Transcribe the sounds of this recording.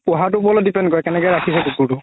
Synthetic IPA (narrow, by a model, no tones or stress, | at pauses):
pɔɦat̬ʊpɔlɔdipɛndkɔɹɛkɛnɛkɔjɹakʰisɛdukutʊ